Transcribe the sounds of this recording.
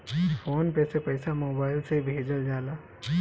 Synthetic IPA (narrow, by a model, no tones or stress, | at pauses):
foːnpesepɐɪsamoːbaːɪlsebʱeːd͡ʒəld͡ʒaːlaː